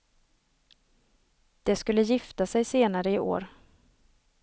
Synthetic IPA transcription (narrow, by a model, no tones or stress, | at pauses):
d̪̥ɛskɵlːəjɪft̪asɛjseːnaɾəɪʔo̰ːɾ